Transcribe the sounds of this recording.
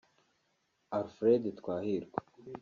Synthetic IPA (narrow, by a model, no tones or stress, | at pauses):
aɾfɾeːd̪it̪kʷwaːhiɾɡʷwe̥